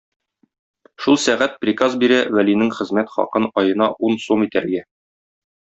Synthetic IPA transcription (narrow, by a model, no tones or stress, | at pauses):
ʃulˠsæʁæt̪̚pɾʲikazbiɾæwælinɘŋχɘ̆zmæt̪χɒ̰qɤnɒjɤ̆nɑʔunsumit̪æɾɡæ